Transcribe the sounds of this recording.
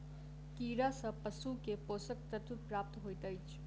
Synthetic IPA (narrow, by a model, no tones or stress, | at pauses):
kiːɾasə̃pəsukeposək̚t̪ət̪ʰupɾaːp̚t̪ɦojt̪əjt͡ʃʰ